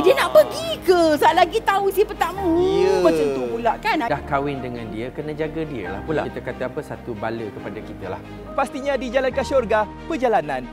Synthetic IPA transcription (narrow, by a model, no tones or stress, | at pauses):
diənaʔpəɡikəsalaɡit̪ausipət̪amujəmət͡ʃant̪upulaʔkanadahkawɪndəŋandiəkənãd͡ʒaɡadiə̰la̰hpula̰kit̪akat̪aapəsat̪ubaləkəpadakit̪ala̰h | past̪iɲãdid͡ʒalankaʃɔrɡa | pəd͡ʒalanãn